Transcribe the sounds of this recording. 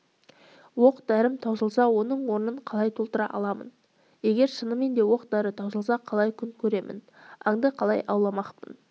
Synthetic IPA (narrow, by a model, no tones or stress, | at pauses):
wo̞qd̪æɾɪmt̪ʰɑwzəlˠsɑwo̞nəɴwo̞ɾnəɴqʰɑlˠɑjt̪ʰolˠt̪əɾɑʔɑ̰lˠɑmə̰n | je̞ɡʲe̞ɾʃənəme̞nd̪e̞wo̞qd̪æɾət̪ʰɑwzəlˠsɑqʰɑlˠɑjkʲʰʏŋkʲʰɵɾe̞mʔɪ̰n | ɑŋd̪əqʰɑlˠɑjʔɑwlˠɑmɑqpə̰n